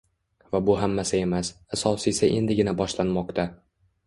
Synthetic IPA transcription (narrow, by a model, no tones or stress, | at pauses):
vabʊɦamːasɪe̞masasɒsisaʔe̞nd̪ɪɡʲɪnabɒʃlanmɒqt̪ʰa